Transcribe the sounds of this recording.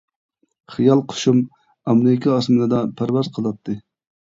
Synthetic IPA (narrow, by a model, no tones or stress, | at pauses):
χijɑlˠqʰo̥ʃum | ɑmnɪkʲʰɑɑsmɨlɨd̪ɑpʰæɾvɑzqʰəlˠɑp̚t̪ʰːɨ